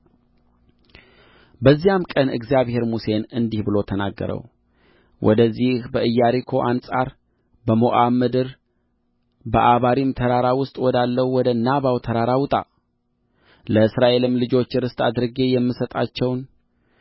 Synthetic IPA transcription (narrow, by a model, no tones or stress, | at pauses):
bəzːijamkʼənɨ̰ɡzijaβhe̞ɾmuse̞nɨnd̪ihbɨlo̞t̪ʰəna̰ɡːə̰ɾə̰w | wʔɔ̰d̪əzːihbəʔɨjːaɾikʰo̞ʔansʼa̰ɾ | bəmoʔamɨd̪ɨɾ | bəʔaβaɾimt̪ʰəɾaɾawʊst̪ʼwɔd̪alːəwwɔd̪ənːaβawt̪ʰəɾaɾawt̪ʼa̰ | ləɨsɾaʔe̞lɨmlɨd͡ʒo̞t͡ʃːɾɨst̪ʼad̪ɾɨɡe̞jɛmːɨsət̪ʼa̰t͡ʃːɛwn